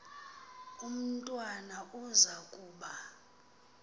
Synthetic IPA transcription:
um̩tʼwanaʔuzakʼuːɓa

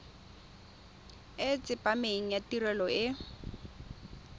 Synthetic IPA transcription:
et͡sʼɪpʼameŋ̩jatirɛlɔɪ

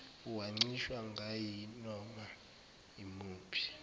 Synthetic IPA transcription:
uwaŋ͡ǀiʃwaŋɡʱajinɔma | imuːpʰi̥

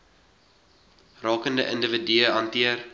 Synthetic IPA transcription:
rɑːkəndəʔəndəvədyəɦɐntiər

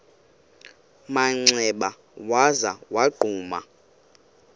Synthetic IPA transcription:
maŋ͡ǀɛɓa | wazawaɡ͡ǃʱuːma̰

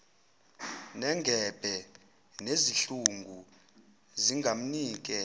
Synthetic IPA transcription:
nɛŋɡʱɛb̥ʱɛ | neziɬuŋɡʱu | ziŋɡʱam̩niːk̬ʼɛ

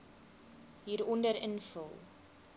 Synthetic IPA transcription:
ɦiːɾɔndəɾənfəlˠ

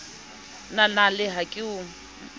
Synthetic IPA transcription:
nalalɪɦakʼɪʊ

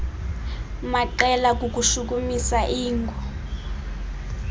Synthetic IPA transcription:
maǃɛlak̬ʼuk̬uʃuk̬umisaʔiːŋɡʱɔ

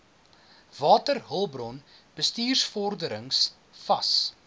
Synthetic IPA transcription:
vɑːtərɦəlˠbrɔn | b̥əstiːrsfɔrdəɾəŋs | fɐs

